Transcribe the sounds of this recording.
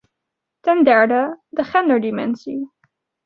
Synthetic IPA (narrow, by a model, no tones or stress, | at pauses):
tɛndɛɹdədəχɛndəɹdimɛ̰nsi